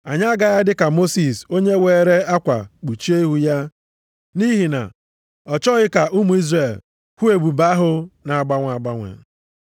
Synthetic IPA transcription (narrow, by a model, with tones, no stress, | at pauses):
a˨ɲa˦ɡa˨ja˦dɪ˦ka˨mo˦si˨so˦ɲe˦weː˨ɾe˦a˦kʷa̰˨k͡pu˨t͡ʃi˦e˦i˦ɦu˦ja˦ | ni˦ɦi˨na̰˨ | ɔ˨t͡ʃɔ˦ɣɪ˦ka˨ʔu˦mu˨i˦zre˨l | hʷu˦e˨ɡ͡bu˨ba˦ɦʊ˦na˨ɡ͡ba˦ŋʷ˨a˨ɡ͡ba˦ŋʷḛ˨